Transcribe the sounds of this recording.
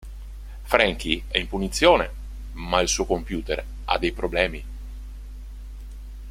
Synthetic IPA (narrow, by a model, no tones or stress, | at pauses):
fɾɛŋk̟iɛimpunit̪sːjoːne | mailsuːokompjuːt̪ḛr | a̰d̪ːejpɾoblɛːmi